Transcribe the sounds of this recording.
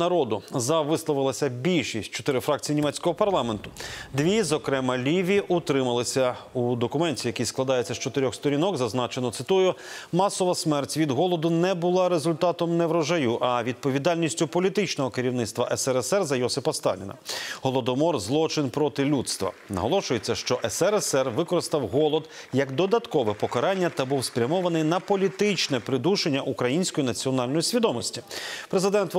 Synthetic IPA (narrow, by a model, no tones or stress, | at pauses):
nɐɾɔd̪ʊzɐʋɪslˠɔʋɪlˠɐsʲɐbʲilʲʃisʲtʲt͡ʃɔt̪ɪɾɪfɾɑk̚t͡sʲijinʲimɛt͡sʲkɔɦɔpɐrlˠɑment̪ʊd̪ʋʲizɔkɾɛmɐlʲiʋʲiʔut̪ɾɪmɐlˠɪsʲɐud̪ɔkʊmɛnʲtʲijɐkijsklˠɐd̪ɑjet͡sʲːɐst͡ʃɔt̪ɪɾʲɔxst̪ɔɾʲinɔkzɐznɑt͡ʃenɔt̪sɪt̪ujʊmɑsɔʋɐsmɛrtʲʋʲid̪ɦɔlˠɔd̪ʊnɛbʊlˠɑɾezʊlʲt̪ɑt̪ɔmnɛʋɾɔʒɐjuʔɐʋʲid̪̚pɔʋʲid̪ɑlʲnʲisʲtʲʊpɔlʲit̪ɪt͡ʃnɔɦɔkeɾʲiwnɪt̪st̪ʋɐʔɛsɛɾɛsɛrzɐjɔsɪpɐst̪ɑ̰lʲɪ̰nɐ̰ɦɔlˠɔd̪ɔmɔrzlˠɔt͡ʃɪnpɾɔt̪ɪlʲut̪st̪ʋɐ̰nɐ̰ɦɔlˠɔʃʊjet͡sʲːɐʃt͡ʃɔʔɛsɛɾɛsɛrʋɪkɔɾɪst̪ɐwɦɔlˠɔd̪ | jɐkd̪ɔd̪ɐt̪kɔʋɛpɔkɐɾɑnʲːɐt̪ɐbuwspɾʲɐmɔʋɐnɪjnɐpɔlʲit̪ɪt͡ʃnɛpɾɪd̪uʃenʲːɐʔukɾɐjinʲsʲkɔjinɐt͡sʲiɔnɑlʲnɔjisʲʋʲid̪ɔmɔsʲtʲipɾezɪd̪ɛnt̪